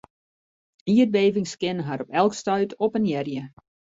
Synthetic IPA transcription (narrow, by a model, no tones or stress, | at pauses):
iət̚beːvɪŋskɪnəɦaɾɔpɛlˠkstœɥtʰɔpənjɛrjə